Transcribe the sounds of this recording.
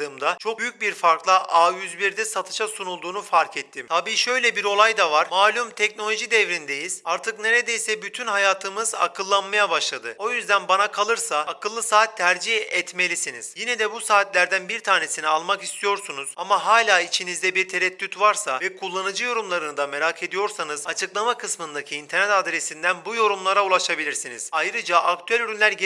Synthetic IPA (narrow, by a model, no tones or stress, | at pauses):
ɯːmd̪at͡ʃʰo̞k̚yjyc̚ʲbiɾfaɾklˠaʔaːjyzbiɾd̪ɛsat̪ʰɯ̥ʃasunulˠd̪uːnufaɾkʰɛt̪ʰːimt̪ʰabiːʃø̞jlʲɛbiɾo̞lˠajd̪avaɾ̥maːlʲumt̪ʰɛcno̞lʲo̞ʒid̪ɛvɾind̪ejiz̥aɾt̪ʰɯkne̞ɾed̪ejsɛbyt̪ʰynɦajaːt̪ʰɯmɯza̰kʰɯlˠːanmajabaʃlˠad̪ɯo̞jyzd̪ænbanakʰalˠɯɾsaːkʰɯlˠːɯsaːt̪ʰːæɾd͡ʒihɛt̪me̞lʲisiniz̥jinɛd̪ɛbusaːt̪lʲæɾd̪ænbiɾt̪ʰaːne̞sinialˠmakist̪ʰijo̞ɾsunuz̥amaɦaːlʲaːit͡ʃʰinizd̪ɛbiɾt̪ʰeɾɛt̪ːyt̪vaɾsavɛkʰulˠːanɯd͡ʒɯjo̞ɾumlˠaɾɯnɯd̪ame̞ɾakʰe̞d̪ijo̞ɾsanɯz̥at͡ʃʰɯklˠamakʰɯsmɯnd̪acʰiːnt̪ʰɛɾnɛt̪ad̪ɾesind̪ænbujo̞ɾumlˠaɾaulˠaʃabilʲiɾsiniz̥ajɾɯd͡ʒaʔak̚t̪ʰyælʲyɾynlʲæɾɟ